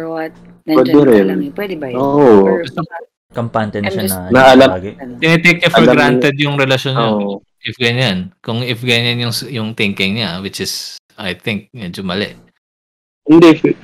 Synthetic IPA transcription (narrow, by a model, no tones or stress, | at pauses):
wɛd̪ɛɾɛnʔoʔoɡɐst̪o | kɐmpaːnt̪ɛnɐʃannɐɐlɐɡt̪ɪnɛt̪ek̚ɲɐfɔɾɡɾanɛd̪̚jʊŋɾɛlɐʃonʔ | ʔɪfɡɐɲankʊŋɪfɡɐɲanjʊŋjʊŋt̪ɪŋkɪŋɲawɪt͡ʃɪs | ajθɪŋk̚mɛːd͡ʒomɐlɛ̰ʔ | hɪnd̪ɛ